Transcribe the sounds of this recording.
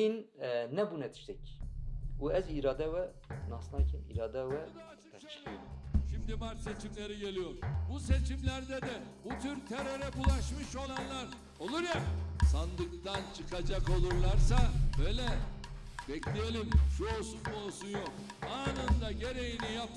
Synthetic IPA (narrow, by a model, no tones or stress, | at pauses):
innɛbunɛt̪ʰi̥ʃt̪ɛc | uɛziɾaːd̪ɛvɛ | nasnacʰinḭɾaːd̪ɛvɛ̥ | ʃʃimd̪imaɾt̪se̞t͡ʃʰimlʲe̞ɾiɟe̞lʲijo̞ɾbuse̞t͡ʃʰimlʲæɾd̪ɛd̪ɛbut̪ʰyɾt̪ʰeɾe̞ɾɛbulˠaʃmɯʃo̞lˠanlˠaɾ | o̞lˠuɾjasand̪ɯk̚t̪ant͡ʃʰɯkʰad͡ʒako̞lˠuɾlˠaɾsabøjlʲɛ | bɛclʲejelʲimʃuo̞lˠsunmuolˠsunjok̚ | anand̪aɟe̞ɾe̞jinijap̚t̪